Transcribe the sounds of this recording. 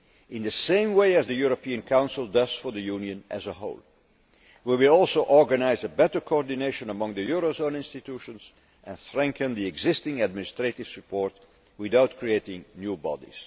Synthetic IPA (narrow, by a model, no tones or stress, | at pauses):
ɪ̃nðɨsẽɪ̃mweɪɨzðɨjuɹəpiɨ̃nkʰãʊ̃nsəl̩ˠdʌz̥fə˞ðəjunjɨ̃nʔɨ̰zəɦoʊlˠ | wiwɪlɔlˠsoʊʔɔɹɡənaɪzəbɛtə˞kʰoɔɹdɨneɪʃə̃nəmʌ̃ŋðɨjuɹozõʊ̃nɪ̃nstɨtʰuʃə̃nz̥ | ʔɨ̃nθɹɛ̃ŋkə̃nðiɛɡzɪstɪ̃ŋæd̚mɪnɪstɹ̥etɪv̥sɨpɔɹt̚ | wɪðaʊt̚kʰɹieɪtɪ̃ŋnjubɑ̰dḭz̥